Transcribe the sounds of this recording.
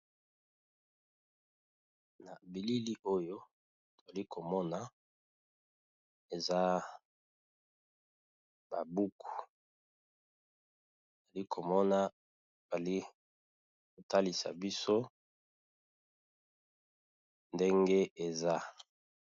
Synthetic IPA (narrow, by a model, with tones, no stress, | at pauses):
na˨bi˨li˦li˦ʔo˦jo˦ | to˨a˨li˦kʰo˨mɔ˦na˨ | e˨za˦ | ba˨bu˦kʰu̥˨ | o˨za˨li˦kʰo˨mɔ˦nḁ˦ | a˨li˦ | ko˨ta˦li˨sa̰˨bi˦so˦ | nde˦ŋɡe˦e˨za˦